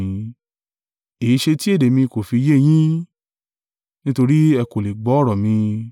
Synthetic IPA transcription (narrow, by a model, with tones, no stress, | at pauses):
ĩ˧ | e˨i˦ʃe˧ti˦e˦˨de˨mĩ˧ko˨fi˧je˦˨j̃ĩ˦ | nĩ˦to˧ɾi˦ɛ˧ko˨le˨ɡ͡bɔ˨˦ɾɔ˨mĩ˧